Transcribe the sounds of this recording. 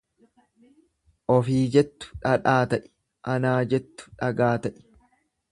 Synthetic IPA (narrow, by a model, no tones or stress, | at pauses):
ʔɔfiːd͡ʒɛt̪ːʊ̥ᶑɐᶑaːt̪ɐʔɪ̥ | ʔɐnaːd͡ʒɛt̪ːʊ̥ᶑɐɡaːt̪ɐʔɪ̥